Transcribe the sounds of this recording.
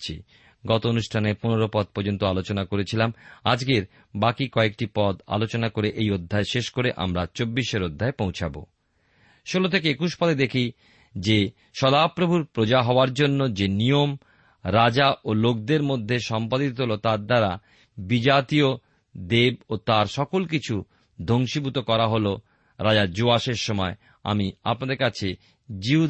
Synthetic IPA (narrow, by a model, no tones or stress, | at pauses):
t͡ɕʰi | ɡɔt̪oonuʃʈʰaneponeɾopɔd̪̚pɔɾd͡ʑont̪oalot͡ɕonakoɾet͡ɕʰilama̰d͡ʑkeɾ | bakikɔek̚ʈipɔd̪a̰lot͡ɕonakoɾeʔejod̪ʱːaeʃeʃkoɾeʔa̰mɾat͡ɕobːiʃeɾod̪ʱːaepõw̃t͡ɕʰabo̰ | ʃolot̪ʰekeekuʃpɔd̪ed̪ekʰi | d͡ʑe | ʃɔd̪apɾobʱuɾpɾod͡ʑaɦɔoaɾd͡ʑonːod͡ʑenijom | ɾad͡ʑaʔolok̚d̪eɾmod̪ʱːeʃɔmpad̪it̪oɦolot̪aɾd̪aɾa | bid͡ʑat̪io | d̪eb̚ot̪aɾʃɔkolkit͡ɕʰu | d̪ʱoŋʃibʱut̪okɔɾaɦolo | ɾad͡ʑaɾd͡ʑoaʃeɾʃɔmɔe | a̰mia̰pnad̪eɾkat͡ɕʰe | d͡ʑiu